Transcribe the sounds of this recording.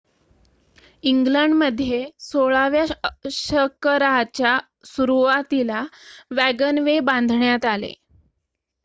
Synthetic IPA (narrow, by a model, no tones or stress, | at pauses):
iŋɡləɳɖməd̪ʱːjesoɭaʋjaɕəkəɾaɦt͡ɕja | suɾuʋat̪ilaʋæɡənʋebãnd̪ʱɳjat̪alḛ